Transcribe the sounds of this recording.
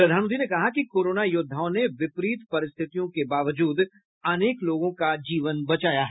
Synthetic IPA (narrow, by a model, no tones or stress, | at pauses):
pɾɐd̪ʱaːnə̃nd̪ʰʱinekɐɦakikoːɾoːnajʊd̪ʱːaːʊneʋɪpɾiːt̪pɐɾɪst̪ʰɪt̪ijõkebaːʋəd͡ʒuːd̪ | ɐneːkloːɡõkad͡ʒiːʋənbɐt͡ʃaːjaɦɛː